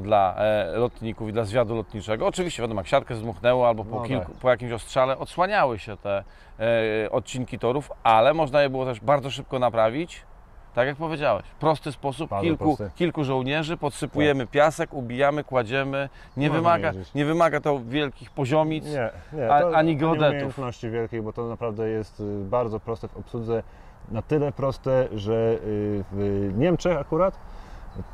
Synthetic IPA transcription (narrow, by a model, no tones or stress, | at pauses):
d̪la̰lɔt̪ɲikufid̪lazvʲjad̪ulɔt̪ɲit͡ʂɛɡɔːt͡ʂɘvʲiɕt͡ɕɛvʲjad̪ɔmjakɕat̪̚kɛzd̪muxnɛwɔalbɔpɔkʲilkupɔjakʲimɕɔstʂalɛʔɔt̪swaɲawɘɕɛt̪ɛ | ʔɔt̪̚t͡ɕiŋkʲit̪ɔɾufalɛmɔʐnajɛbɘwɔt̪ɛʐbaɾd̪zɔʂ̬ɘp̚kɔnapɾavʲit͡ɕ | t̪akjak̚pɔvʲjed͡ʑawɛ̰ɕfpɾɔst̪ɘspɔsupkʲilkukʲilkuʐɔwɲɛʐɘpɔt̪sɘpujɛmɘpʲjasɛkubʲijamɘkwad͡ʑɛmɘ | ɲɛvɘmaɡaɲɛvɘmaɡat̪ɔvʲjɛlkʲixpɔʑɔmʲit̪sɛɲaaɲiɡɔd̪ɛtj̪untfnɔɕt͡ɕivʲjɛlkʲejbɔt̪ɔnapɾavd̪ɛjɛst̪baɾd̪zɔpɾɔst̪ɛvɔpsud̪zɛ | nat̪ɘlɛpɾɔst̪ɛʐɛvɲɛmt͡ʂɛxakuɾat̪